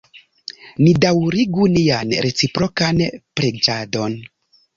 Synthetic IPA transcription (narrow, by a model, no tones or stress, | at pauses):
nidawɾiɡunianɾet͡sipɾokanpɾed͡ʒado̞n